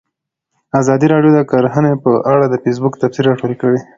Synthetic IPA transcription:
azɑd̪iɾɑɖjod̪akaɾɦanepəʔaɽad̪əfes̬bukt̪afsiɾɑʈoɾikəwi

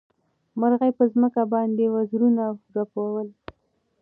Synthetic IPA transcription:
maɾɣajpəzməkabɑnd̪ewazɾunaɾapowawəl

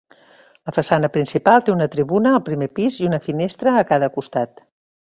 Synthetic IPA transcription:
ləfəsanəpɾinsipalˠt̪eunət̪ɾiβunəːlˠpɾimepiziunəfinest̪ɾəːkaðəkust̪at̪

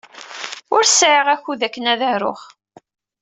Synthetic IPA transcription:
ʊɾsʕiʁæçuðækːənæðəɾʊ̰χ

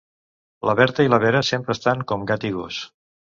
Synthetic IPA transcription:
ləβɛɾt̪əiləβɛɾəsempɾəːst̪aŋkɔmɡat̪iɣus

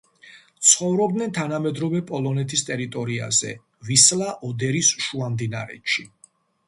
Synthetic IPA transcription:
t̪sʰχɔvɾɔbd̪nɛnt̪ʰanamɛd̪ɾɔvɛpʼɔlˠɔnɛt̪ʰist̪ʼɛɾit̪ʼɔɾia̰zɛ̰ | vislˠaʔɔd̪ɛɾisʃuamd̪inaɾɛ̰tʃi

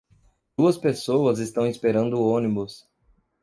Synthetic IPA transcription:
d̪uɐspesowɐzest̪ɐ̃w̃ispeɾɐ̃nd̪ʊõnibʊs

